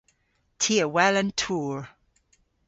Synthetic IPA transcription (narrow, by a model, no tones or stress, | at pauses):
tʰiəwɛlə̃ntʰuːɹ